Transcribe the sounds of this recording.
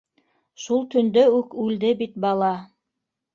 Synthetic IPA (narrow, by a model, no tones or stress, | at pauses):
ʃulˠt̪ɵ̆nd̪ɵʉkʉld̪ɘbit̪̚bɑlˠɑ